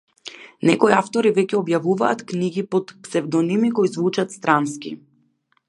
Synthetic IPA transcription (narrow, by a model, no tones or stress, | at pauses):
nɛkoiaft̪ɔɾivɛcɛɔbjavuvaːt̪kniɡʲipot̪psɛvd̪ɔnimikojizvut͡ʃat̪st̪ɾanskḭ